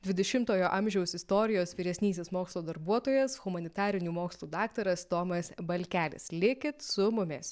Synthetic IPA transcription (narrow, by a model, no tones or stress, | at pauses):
d̪ʲʋʲɪd̪ʲɛʃʲɪmt̪oːjoːʔɐmʲʒʲɛʊsɪst̪oːɾʲɪjoːsʋʲiɾʲɛsʲnʲiːsʲeːsmoːkslˠuːd̪ɐɾbuɔt̪oːjɛsɣʊmɐnʲɪt̪ɑːɾʲɪnʲuːmoːkslˠuːd̪ɑːkt̪ɐɾɐst̪oːmɐsbɐlʲkʲæːlʲɪ̰slʲɪkʲɪt̪sʊmʊmʲɪs